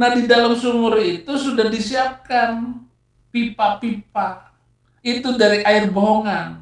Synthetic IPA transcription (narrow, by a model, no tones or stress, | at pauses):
nahdidalamsuŋʊɾit̪usudahdisiap̚kan | pipapip̚a | it̪udaɾiʔaɪrboɦoŋan